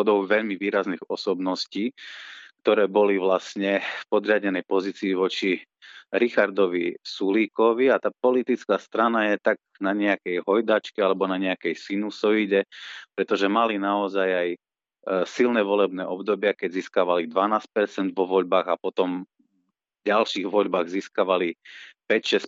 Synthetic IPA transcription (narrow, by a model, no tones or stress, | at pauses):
ɔd̪ɔʊʋɛʎmiʋiːɾazniɣɔsɔbnɔsciːk̚t̪ɔɾɛːbɔliʋlasɲɛfpɔd̪ɾɪaɟɛnɛjpɔziːt͡siːʋɔt͡ʃi | ɾixaɾd̪ɔʋisuliːkɔʋiat̪aːpɔlit̪it͡skaːst̪ɾanajɛt̪aɡ | naɲɛakɛjɦɔjd̪at͡ʃkɛalɛbɔnaɲɛakɛjsinusɔiɟɛpɾɛt̪ɔʒɛmalinaɔzajaj | silnɛːʋɔlɛbnɛ̰ːʔɔbd̪ɔbɪakɛɟziːskaːʋalid̪ʋanaːsc̚pɛɾt͡sɛnd̪ʋɔʋɔʎbaːɣapɔt̪ɔm | ɟalʃiːɣʋɔʎbaːɣziːskaʋalipɛcʃɛs